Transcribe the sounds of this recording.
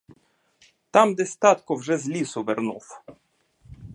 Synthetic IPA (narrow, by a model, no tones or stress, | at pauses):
t̪amd̪ɛst̪at̪kɔvʐɛzlʲisuvɛɾnuf